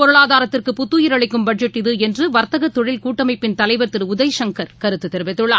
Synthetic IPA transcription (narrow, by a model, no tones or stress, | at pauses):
pɔɾɯɭaːðaːɾɐt̪ːɪrkɯpʊt̪ːuːjɪɾɐɭɪkːɯmbɐɖ̚d͡ʒɛʈːɪðɯɛndrɯʋɐɾt̪ɐɣɐt̪ːɔɻɪlkuːʈːɐmɐɪpːɪnt̪ɐlɐɪʋɐɾt̪ɪɾɯʊðɐɪʂɐŋkɐɾkɐɾɯt̪ːɯt̪ːɛɾʋɛt̪ːɯɭːaː